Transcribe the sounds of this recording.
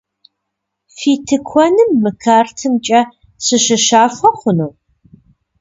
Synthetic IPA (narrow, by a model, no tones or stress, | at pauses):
fiːtʰɨkʷʰɔnɨmːɨkʰaːrtʰɨmt͡ʃʼɐ | sɨɕɨʃaːfɐχʷʊnow